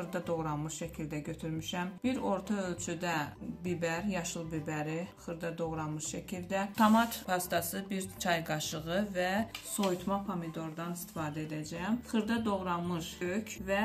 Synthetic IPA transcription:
ɯɾd̪ɑd̪o̞ɣɾɑnmɯʃʃæcʰild̪æɟøt̪ʰyɾmiʃæmb̥iɾo̞ɾt̪ʰɑølt͡ʃʰyd̪æbibæɾjɑʃɯlˠbibæɾiχɯɾd̪ɑd̪o̞ɣɾɑnmɯʃʃæcʰild̪æt̪ʰɑmɑt̪pʰɑst̪ɑsɯbiɾt͡ʃʰɑjɡɑʃɯɣɯvæso̞jut̪ʰmɑpʰomid̪o̞ɾd̪ɑnist̪i̥fɑːd̪æed̪æd͡ʒæjæmχɯɾd̪ɑd̪o̞ɣɾɑnmɯʃøcʰvæ

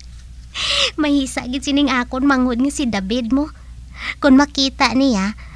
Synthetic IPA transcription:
mahiːsa̰ʔɡɪd̪̚sinɪŋʔaːkʊnmaŋʊd̪̚ŋasid̪abɪd̪̚mo | kʊnmakiːt̪aʔnija

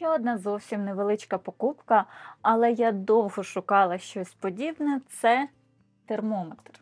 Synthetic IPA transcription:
t͡ʃɛɔd̪nɑzɔwsʲimneʋelˠɪt͡ʃkɐpɔkupkɐɐlˠɛjad̪ɔwɦɔʃʊkɑlˠɐʃt͡ʃɔsʲpɔdʲibnɛt̪sɛ | t̪ermɔmet̪r

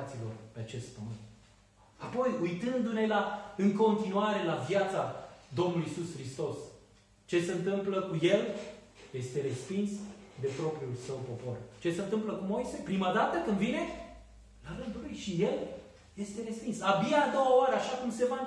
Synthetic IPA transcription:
t̪silo̞̰rpe̞at͡ʃe̞st̪̚pəmɨnt̪̚ | apo̞jujt̪ɨnd̪une̞laɨŋko̞nt̪inuaɾe̞lavjat̪sad̪o̞mnuluiisuskɾist̪o̞s | t͡ʃe̞seɨnt̪ɨmpləkuje̞l | je̞st̪e̞ɾe̞spinsd̪e̞pɾo̞pɾiulsəwpo̞po̞rt͡ʃe̞se̞ɨnt̪ɨmpləkumo̞jsejpɾimad̪at̪əkɨnd̪vine̞ | laɾɨnd̪ulujʃije̞l | je̞st̪e̞ɾe̞spinsabijad̪o̞waoaɾeaʃakumse̞va

